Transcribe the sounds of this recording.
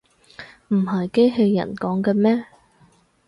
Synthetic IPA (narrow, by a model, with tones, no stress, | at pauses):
m̩˨˩ɦɐ˨jke˥jɦe˧jːɐ̰˨˩nkɔː˨˥ŋkɛː˧mɛː˥